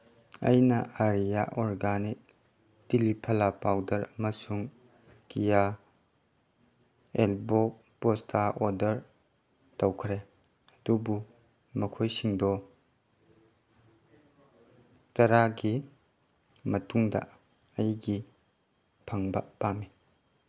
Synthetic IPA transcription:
ɐ̰jnɐaɾijaʔoɾɡanik̚ | tilipʰɐlapawdɐɾɐmɐsuŋ | kija | elbok̚ | postʰaʔodɐɾ | towkʰɾe | ɐdubu | mɐkʰojsiŋdɔ | tɐɾaɡi | mɐtuŋdɐ̰ | ɐjɡi | pʰaŋbɐpami

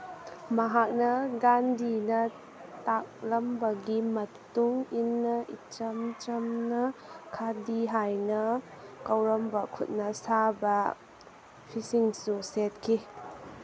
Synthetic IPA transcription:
mɐɦak̚nɐɡandinɐ | tak̚lɐmbɐɡimɐtuŋinːɐʔit͡ʃɐmt͡ʃɐmnɐkʰadiɦajnɐ | kɐwɾɐmbɐkʰṵt̚nɐsabɐ | pʰisiŋsuset̚kʰi

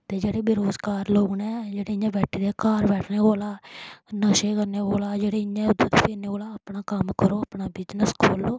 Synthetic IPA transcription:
t̪eːd͡ʒeːɽeːbɪɾoːzkaːɾloːɡnẽːd͡ʒeːɽeːɪɲãːbɛːʈʰːiːd̪eːkaːɾbɛːʈʰneːkoːlaːnəʃeːkəɾneːkoːlaːd͡ʒeːɽeːɪjãːʊd̪ə̃t̪opʰeːneːoːlaːəpɳaːkəmkəɾoːəpnaːbɪd͡ʒnəskʰoːlːoː

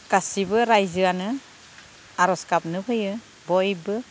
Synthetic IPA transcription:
kasibɯɾajzɯanɯ | aɾɔskap̚nɯɦɯjɯ | bɔjbɯ

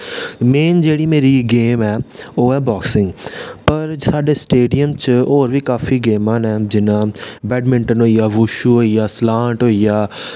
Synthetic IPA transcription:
meːnd͡ʒeːɽiːmeːɾiɡeːmɛːoːɦɛːbɔːksɪ̃ŋɡpəɾsaːɖeːsʈeːɖijəmt͡ʃoːɾʋiːkaːfʰiːɡeːmãːnɛːd͡ʒɪnãːbɛːɖmɪ̃ɳʈənɦoːijaːʋuːʃuːɦoːijaːslaːʈɦoːijaː

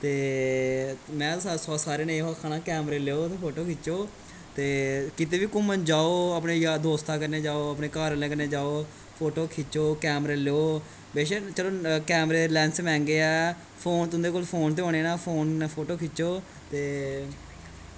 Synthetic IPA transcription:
t̪eː | mɛ̃ːsɔːsaːɾeːnẽːɦːkʰaːnãːkɛːmɾeːleːoːt̪eːpʰoːʈoːkʰɪt͡ʃoː | t̪eːkɪt̪eːʋiːkʊmənd͡ʒaːoːəpɳeːjaːd̪oːst̪aːkəɾneːd͡ʒaːoːəpɳeːkaːɾlẽːkəɾneːd͡ʒaːoː | pʰoːʈoːkʰɪt͡ʃoːkɛːmɾeːleːoː | beːʃeːt͡ʃəloːkɛːmɾeːlɛ̃ːnsmɛ̃ːŋɡeːɛː | pʰoːnt̪ʊnd̪eːkoːlpʰoːnt̪̬eːõːɽ̃eːnaːpʰoːnpʰoːʈoːkʰɪt͡ʃoː | t̪eː

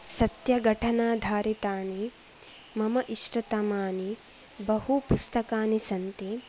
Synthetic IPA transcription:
sɐt̪jɐɡʱɐʈʰɐnaːd̪ʱaːɾit̪aːni | mɐmɐʔiʃʈɐt̪ɐmaːni | bɐhupust̪ɐkaːnisɐnt̪i

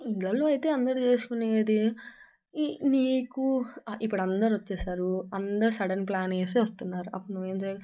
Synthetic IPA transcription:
iɳʈlɐlːoːɐjt̪e̞ːɐnd̪ɐɾit͡ʃe̞ːsu̥kuneːd̪i | niːkuip̬ːuɽɐnd̪ɐɾʋɐt͡ʃːɛːsaːɾuɐnd̪ɐɾusɐɽɐnplaːneːseːʋɐst̪unːaːɾuɐpːuɽnuʋeːmt͡ʃeː

